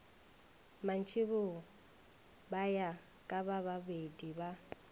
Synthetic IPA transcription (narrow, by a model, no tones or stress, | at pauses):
man̩t͡ʃʰʼɪβʊ | baja | kʼabaβabediba